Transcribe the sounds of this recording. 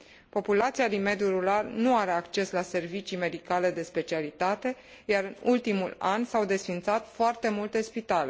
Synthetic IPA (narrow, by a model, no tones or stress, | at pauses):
po̞pulat̪sialime̞d̪juɾularnuaɾe̞akt͡ʃe̞slase̞rvit͡ʃime̞d̪ikale̞d̪e̞spe̞t͡ʃialit̪at̪e̞ | jaɾɨnult̪imṵlansawd̪e̞sfint̪sat̪foart̪e̞mult̪e̞spit̪ale̞